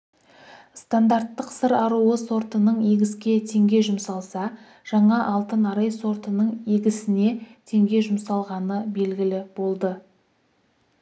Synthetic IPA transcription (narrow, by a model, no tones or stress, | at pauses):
st̪and̪aɾt̪ːəqsəɾɑɾuəso̞ɾt̪ənəɴe̞ɡʲɪzkʲe̞t̪ʰe̞ŋɡʲe̞ʒʊmsɑlˠsɑ | ʒ̥ɑɴɑʔɑlˠt̪ənɑɾɑjso̞ɾt̪ənəɴe̞ɡʲɪsɪne̞t̪ʰe̞ŋɡʲe̞ʒʊmsɑlˠʁɑnəbe̞lɡʲɪlɪb̥o̞lˠd̪ə